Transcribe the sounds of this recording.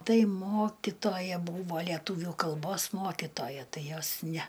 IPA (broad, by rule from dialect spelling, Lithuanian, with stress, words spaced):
ˈtɐɪ ˈmoːkʲɪtoːjɛ ˈbuːʋoː lʲɛˈtuːʋʲuː kɐlˠˈboːs ˈmoːkʲɪtoːjɛ ˈtɐɪ ˈjoːs ˈnʲæ